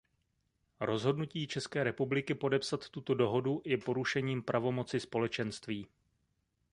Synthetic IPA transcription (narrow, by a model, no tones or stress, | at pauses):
ɾo̞zɦo̞dnuciːt͡ʃɛskɛːɾɛpublɪkɪpo̞dɛpsat̪ːut̪o̞do̞ɦo̞dujɛpo̞ɾuʃɛɲiːmpɾʔavo̞mo̞t͡sɪspo̞lɛt͡ʃɛnst̪viː